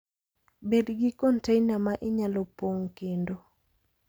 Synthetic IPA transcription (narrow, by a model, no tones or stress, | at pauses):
bedɡikɔntejnamaʔɪɲalɔpoŋkendo